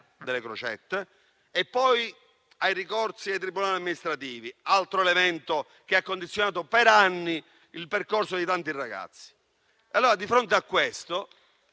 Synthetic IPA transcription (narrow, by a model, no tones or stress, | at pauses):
d̪elekɾo̰t͡ʃɛ̰t̪ːe | epːɔj | ajrikɔrt̪siajt̪ɾibːunaːliamːinist̪ɾat̪iːvialt̪ɾoelemɛnt̪o | k̟eakːond̪it̪sːjonaːt̪opeɾanːi | ilperkorsod̪it̪ant̪irːaɡa̰t̪sːi̥ | alːoːɾad̪ifɾont̪̬eakːwest̪o